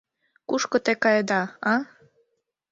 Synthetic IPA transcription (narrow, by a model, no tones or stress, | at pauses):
kuʃkŏt̪ekɑjd̪ɑɑ